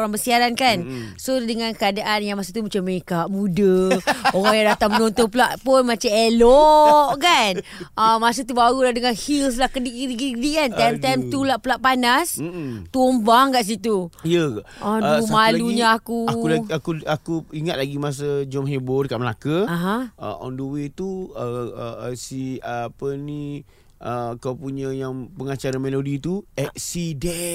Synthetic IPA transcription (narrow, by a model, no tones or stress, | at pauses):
oɾaŋbəsiaɾankansodəŋankəadaʔanjaŋmas̬ət̪umat͡ʃamːəekaʔbudəoɾaŋjaŋdat̪amənɔ̃nt̪ɔnpəlaʔpʊnmat͡ʃamelɔʔkanʔəmas̬ət̪ubaɾuladəŋanhils̬lahkədiʔkədikəikədiʔkanajmt̪amt̪ulaʔpəlaʔpanast̪uɔmbaŋkaʔs̬it̪uijəaʔʔɔəmaluɲaakuauaakuakuiŋat̪̚laɡimas̬əd͡ʒɔmɦebodəkaʔməlakəaɦãə̰ɔ̰ndəwet̪uə | siəapənĩ | ʔəkawpuɲə̃jaŋpəŋat͡ʃaɾamelodit̪uɛk̚sidɛ